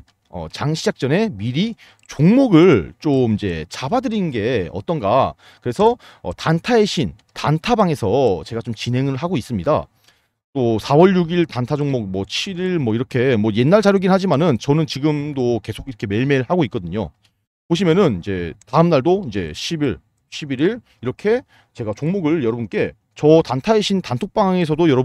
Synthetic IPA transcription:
ʌ̰t͡ɕaŋɕʰid͡ʑak̚t͡ɕ͈ʌne̞miɾi | t͡ɕoŋmoɡɯɭt͡ɕomid͡ʑe̞̰t͡ɕʰabadɯɾinɯnɡe̞ʌ̰t͈ʌnɡa̰ | kɯɾe̞sʰʌ̰ː | tantʰaeɕʰin | tantʰabaŋe̞sʰʌt͡ɕe̞ɡat͡ɕomt͡ɕinɦe̞ŋɯɭɦaɡois͈ɯmɲida̰ | t͈osʰawʌɭjuɡiɭtantʰad͡ʑoŋmokmwʌt͡ɕʰiɾiɭmwʌiɾʌkʰe̞mwʌje̞nːaɭt͡ɕaɾjoɡinɦad͡ʑimanɯnt͡ɕʌnɯnt͡ɕiɡɯmdoke̞sʰoɡiɾʌkʰe̞me̞ɭme̞ɯɭhaɡoik͈ʌdɯɲo̰ | poɕ̬ʰimjʌnɯnid͡ʑe̞̰taɯmnaɭdoind͡ʑe̞̰ɕʰibiɭ | ɕʰibiɾiɭ | iɾʌkʰe̞ | t͡ɕe̞ɡat͡ɕoŋmoɡɯɭjʌɾʌbunk͈e̞ | t͡ɕʌtantʰaeɕʰintantʰok̚p͈aŋe̞s̬ʰʌdojʌɾʌ

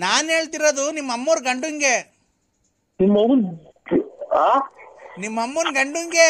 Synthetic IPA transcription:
naːnɦe̞ːɭt̪iɾod̪unimːɐmːuɾɡɐɳɖuŋɡe | nimːɐu | a | nimːɐmːunɡɐɳɖuŋɡe

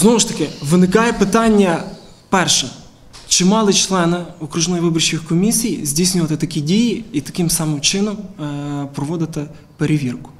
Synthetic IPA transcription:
znovʊʂt̪ɐkʲɪʋɨnɪkajɛpɨt̪anʲːjɐ | pɛrʂɛ | t͡ʃɪmɑlˠɨt͡ʃlˠɛnɪɔkɾʊʒnɔjvɪbɔrt͡ɕʲɪxkɔmʲisʲijzʲdʲisʲnʲʊjət̪ɛt̪ɐkʲidʲijɪit̪ɐkʲɪmsamɨmt͡ʃɪnɐm | pɾɔʋɔd̪ɪt̪ɐ | peɾʲɪʋʲirkʊ̥

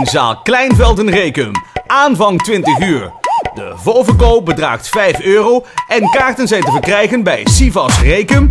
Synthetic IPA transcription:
nza̰ːlˠklɛjnvɛlˠdənrejkəmʔaːnvɑŋtʋɪntəχyːɹdə̰volˠvəɹkoːp̚bədra̰ːχtfɛjføːrowɛnkaːɹtənzɛjtəvəɹkrɛjχənbɛjsivɑsrejkəm

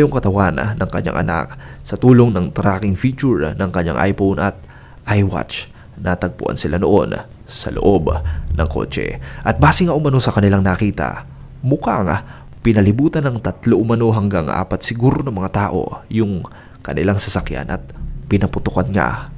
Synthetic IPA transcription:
joŋkɐt̪ɐwannɐŋkɐɲa̰ŋʔɐ̰na̰k̚sɐt̪uːlo̞ŋnɐŋt̪ɾakɪŋfit͡ʃuɹnɐŋkɐɲa̰ŋʔa̰jponʔɐt̪̚ | ʔajwa̰t͡ʃ | nɐt̪ɐɡ̚pʊ̰ʔa̰nsɪlano̰ʔo̞̰n | sɐ̰lo̰ʔobnɐ̰ŋko̞̰ːt͡ʃɛ̰ʔɐt̪̚baːsɪŋaʔʊmɐno̞sɐkɐnɪlaŋnɐkiːt̪ɐ̰ | mʊkaŋ | pɪnɐlɪbuːt̪ɐnɐŋt̪ɐt̪loʔʊmɐno̞ɦɐŋɡaŋʔa̰ːpɐt̪̚sɪɡuːɾonɐŋmɐŋat̪aːʔo̞̰jʊŋ | kɐnɪlaŋsɐsɐkja̰nʔɐ̰t̪̚pɪnɐpʊt̪ʊkanŋa̰

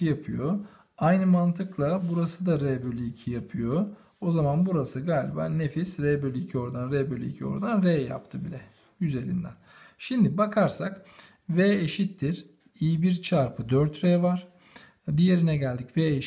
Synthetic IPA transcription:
ijapʰɯjo̞ | ajnɯmant̪ʰɯklˠabuɾasɯd̪aɾɛbølʲicʰijapʰɯjo̞ | ozamanbuɾasɯɡaːlʲiba̰ːnefisɾɛbølʲiːcʰio̞ɾd̪anɾebølʲiicʰio̞̰ɾd̪anɾeja̰pt̪ʰɯbilʲɛ | yze̞ɾḭnd̪æ̰n | ʃimd̪ibakʰaɾsak | vɛeʃit̪ːiɾ | ijibiɾt͡ʃʰaɾpʰɯd̪øɾt̪ɾɛvaɾ̥ | d̪ije̞ɾinɛɟælʲd̪icveːe

